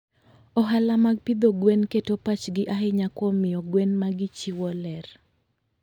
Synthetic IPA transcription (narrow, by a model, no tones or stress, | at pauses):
ɔɦalamaɡ̚pid̪oɡwɛnketopat͡ʃɡɪʔaɦɪɲakɔmɪjɔɡwɛnmaɡɪt͡ʃiwɔlɛr